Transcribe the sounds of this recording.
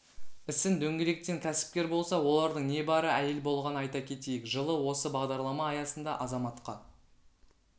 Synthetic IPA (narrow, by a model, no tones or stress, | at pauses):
ɪsɪnd̪ɵŋɡʲe̞le̞k̚t̪e̞ŋkʲʰæsɪ̥p̚kʲe̞ɾbo̞lˠsɑwo̞lˠɑɾd̪əɴne̞bɑɾəæje̞lbo̞lˠʁɑnɑjt̪ɑkʲʰe̞t̪e̞jɪkʒəlˠəwo̞səbɑʁd̪ɑɾlˠɑmɑːjɑsənd̪ɑʔɑzɑmɑt̪qɑ